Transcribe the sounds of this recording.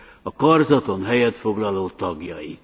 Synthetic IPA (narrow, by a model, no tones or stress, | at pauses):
ɒkɒrzɒt̪o̞nɦɛjɛt̪fo̞ɡlɒloːt̪ɒɡjɒji